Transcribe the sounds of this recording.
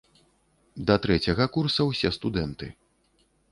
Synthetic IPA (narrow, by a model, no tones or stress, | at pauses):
d̪ɐt̪ɾɛt͡sʲɐɣɐkursɐwsʲɛst̪ud̪ɛnt̪ɨ